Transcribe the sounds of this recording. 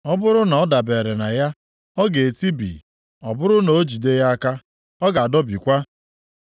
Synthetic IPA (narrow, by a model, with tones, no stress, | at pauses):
ɔ˦bʊ˦ɾʊ˦nɔ˨ɔ˦da˨be˨ɾe˨na˨ja˦ | ɔ˦ɡe˨ti˦bḭ˨ | ɔ˨bʊ˦ɾʊ˦no˨o˦d͡ʒi˨de˦ja˦a˦ka˦ | ɔ˦ɡa˨a˨dɔ˦bi˨kʷa˦